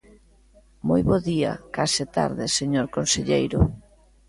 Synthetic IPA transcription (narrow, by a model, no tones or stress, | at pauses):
mojβoðia̰kasɪt̪a̰ɾðɪseɲoɾkonseʎejɾʊ